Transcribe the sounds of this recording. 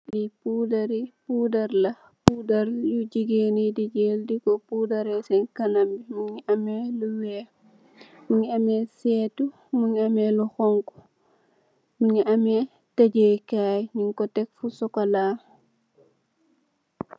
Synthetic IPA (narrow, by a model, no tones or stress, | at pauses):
lipuːdaɾipudaɾlɐ | pudaɾjud͡ʒiɡenidid͡ʒeːldikɔpuːdaɾɛsɛnkanambimuɲiʔamɛluwɛː | muɲiamɛsɛtu | muɲamɛluxɔŋku̥ | muɲiʔamɛ | tad͡ʒekaːjɲiŋkɔtɛk̚fusɔkalaː